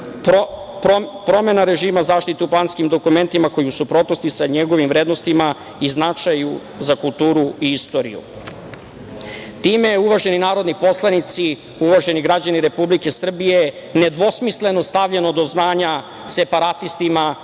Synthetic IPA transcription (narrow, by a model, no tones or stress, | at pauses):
p | popɾo̞me̞naɾe̞ʒiːmazaːʃt̪it̪euplˠaːnskimd̪o̞kume̞nt̪imako̞jiusupɾo̞t̪no̞st̪isaɲeɡo̞ʋimʋɾeːd̪no̞st̪ima | iznat͡ʂaju | zakulˠt̪uːɾuiist̪o̞ɾḭjṵ | t̪iːme̞uʋaʒe̞ninaːɾo̞d̪nipo̞slˠanit̪si | uʋaʒe̞niɡɾad͡ʑaniɾe̞publike̞sr̩bije̞ | ne̞d̪ʋo̞smisle̞no̞st̪aʋʎe̞no̞d̪o̞znaːɲa | se̞paɾat̪ist̪ima